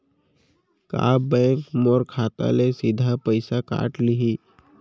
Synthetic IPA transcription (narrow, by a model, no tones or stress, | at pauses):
ka̰ːbəːkmɔːɾkʰaːt̪a̰lesɪd̪ʱapəɪsaka̰ːʈlɪɦi